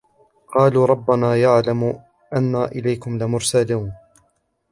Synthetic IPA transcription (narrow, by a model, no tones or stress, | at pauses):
qɑːluːɾˤɑbːanaːjaʕlam | ʔanːaːʔɪlajkʊmlɪmʊɾsaluːn